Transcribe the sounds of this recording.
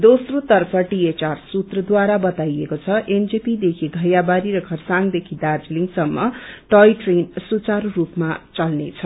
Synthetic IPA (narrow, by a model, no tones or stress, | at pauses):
d̪osrot̪ʌrpʰʌʈiet͡ʃarsut̪rʌd̪waɾabʌt̪ajekot͡sʰʌʔend͡zepid̪ekʰiɡʱʌjabaɾiɾʌkʰʌrsaŋd̪ekʰid̪ard͡zliŋɡsʌmːʌʈʌjʈrensut͡sarrupmat͡sʌlnet͡sʰʌ